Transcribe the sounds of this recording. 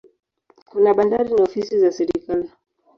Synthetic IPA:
kunaɓandaɾiniɔfisizasɛɾikali

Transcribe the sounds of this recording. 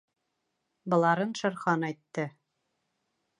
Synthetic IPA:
bɤ̆lˠɑɾɤnʃɤ̆ɾχɑnɑjt̪ːɤ

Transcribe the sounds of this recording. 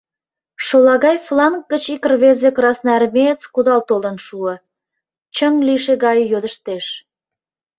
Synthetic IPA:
ʃolɑɣɑjflɑŋk̚ɡət͡ɕikərβezekrɑsnærmet͡skud̪ɑlt̪olənʃuə | t͡ɕəŋliʃeɣɑjjød̪əʃt̪eʃ

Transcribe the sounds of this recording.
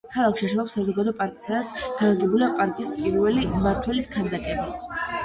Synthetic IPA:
kʰalˠakʰʃiaʃɛɔpsazɔɡad̪ɔpʼaɾkʼi̥sad̪at̪sʰɡ̥aaɡɛbuliapʼaɾkʼispʼiɾvɛlimaɾt̪ʰwɛliskʰand̪akʼɛbi

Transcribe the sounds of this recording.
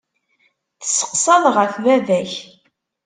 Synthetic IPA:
θə̥sːə̥qsɑðˤʁəfvævæç

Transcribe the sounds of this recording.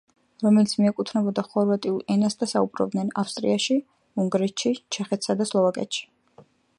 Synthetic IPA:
ɾɔmɛlit̪sʰmiɛkʼut̪ʰnɛbɔd̪aχɔɾvat̪ʼiulˠɛnasd̪asaubɾɔ̰b̚d̪nɛnafst̪ʼɾḭaʃi | uŋɡɾɛt̪ʃit͡ʃʰɛχɛt̪ʰsad̪aslˠɔvakʼɛ̰t̪ʃi̥

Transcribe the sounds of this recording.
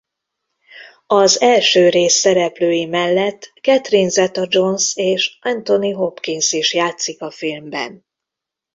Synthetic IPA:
ɒzɛlʃøːɾeːsːɛɾɛpløːjimɛlːɛt̪ːkɛt̪rinzɛt̪ɒd͡ʒo̞nseːʃʔɛnt̪o̞niɦo̞pkinsiʃjaːt̪sikɒfilmbɛ̰n

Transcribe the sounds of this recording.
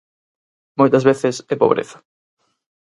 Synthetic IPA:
mojt̪ɐzβeθɪsɛpoβ̞ɾʔḛθɐ̥

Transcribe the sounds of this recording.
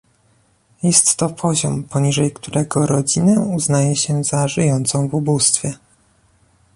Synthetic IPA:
jɛst̪ːɔpʰɔʑɔmpɔɲiʐɛjkt̪uɾʔɛɡɔɾɔd͡ʑinɛuznajɛɕɛzaʐɘjɔnt̪sɔ̃w̃vubust̪fʲjɛ

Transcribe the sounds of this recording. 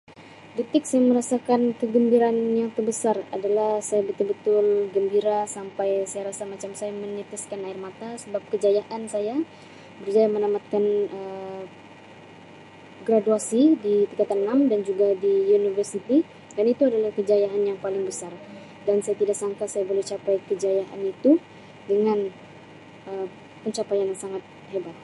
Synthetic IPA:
dit̪ɪk̚sajaməɾasakankəɡəmbiɾanjaŋt̪ərbəsaradalahsajabət̪ʊlbət̪ʊlɡəmbiɾasampajsajaɾasamat͡ʃamsajamənit̪iskanaɪrmat̪asəbap̚kəd͡ʒajaʔansaja | bərd͡ʒajamənamat̪̚kanə | ɡɾaduasidit̪ikat̪annːamdand͡ʒuɡadiunivərsit̪i | anait̪uadalahkəd͡ʒajaɦanjaŋpalɪŋbəsar | dansajat̪idaʔksaŋkasajabolɛht͡ʃapajkəd͡ʒajaʔa̰nit̪u | dəŋan | ə | pəɲt͡ʃapajaŋsaŋat̪̚ | hebat̪̚

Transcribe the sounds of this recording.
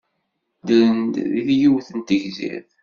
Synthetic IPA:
d̪nd̪ðiθjuwθənt̪əʝzḭθ

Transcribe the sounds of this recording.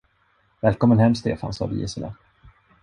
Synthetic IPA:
vɛːlkʰɔmːənhɛmːst̪ʰḛːfa̰nsɑ̰ːd̪ḭːɛsəlɛ̰

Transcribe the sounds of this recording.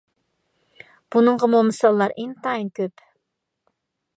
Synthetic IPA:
b̥unɨɴʁəmomɨsɑlˠːɑɾeŋt̪ʰɑinkʲøp

